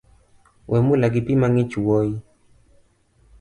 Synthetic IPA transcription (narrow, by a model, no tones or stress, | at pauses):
wʔɛmulaɡɪpimaŋit͡ʃuwɔi